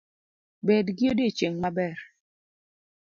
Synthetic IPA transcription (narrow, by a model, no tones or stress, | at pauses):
bɛdɡiodet͡ʃeŋmabɛɾ